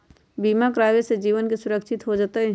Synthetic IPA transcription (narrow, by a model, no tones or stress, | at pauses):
biːmakɾaːʋesed͡ʒiːʋənkisʊɾəkʃɪt̪ɦod͡ʒat̪e